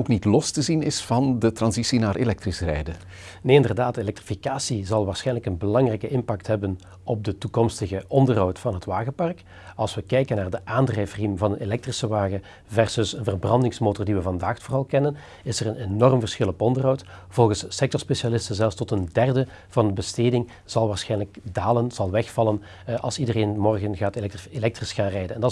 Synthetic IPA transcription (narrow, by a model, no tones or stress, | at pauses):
oːknitlɔstəzinɪsfɑndətrɑnzisinaːrʔelɛk̚trisrɛjdə | neːɪndərdaːtelɛk̚trifikaːsizɑlˠʋaːrsxɛjnləkənbəlɑŋrɛjkəɪmpɑk̚tɦɛbən | ɔb̚dətukɔmstəɣəʔɔndərɦɔwtfɑnɦətʋaːɣəpɑrk | ɑlˠsʋəkɛjkənaːrdəʔaːndrɛjfərimvɑnənelɛk̚trisəʋaːɣə | vɛrsɵsənvərbrɑndɪŋsmoːtɔrdiʋəvɑndaːxtfoːrɑlˠkɛnən | ɪsərənenɔrmvərsxɪlˠɔpɔndərɦɔwtv̥ɔlˠɣənssɛk̚tɔɹspeʃalɪstənzɛlˠfstɔtəndɛrdə | v̥ɑndəbəsteːdɪŋ | z̥ɑlˠʋaːɹsxɛjnləkdaːlənz̥ɑlˠʋɛxfɑlˠən | ʔɑlˠsidəreːnmɔrɣənɣaːtelɛk̚trɪsxaːnrɛjdənɛndɑ